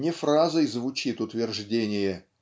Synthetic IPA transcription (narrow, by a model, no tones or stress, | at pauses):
nʲɪfrazəjzvʊt͡ɕit̪ʊt̪vʲɪrʐdʲenʲɪjə